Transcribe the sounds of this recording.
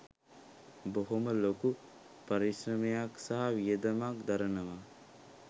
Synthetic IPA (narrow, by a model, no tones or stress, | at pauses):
boɦoməloku | pɐɾisɾɐmejaksaɦaʋijed̪ɐmakd̪aɾɐnəʋa